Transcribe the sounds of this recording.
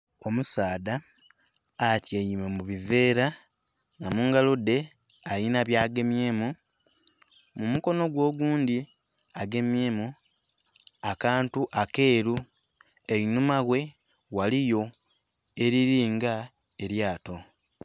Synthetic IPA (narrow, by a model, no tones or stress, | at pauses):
o̞musaːdaː | tjejimemuβive̞ːɾa | ŋamuːŋɡalode̞ | ajinaβjaːɡe̞mjeːmu | mumuko̞no̞ɡwo̞ːɡuːndi | aɡe̞mje̞ːmu | akaːntuʔake̞ːɾu | einumaɣwe̞ | walijo̞ | e̞ɾiɾiːŋɡa | eɾjaːto̞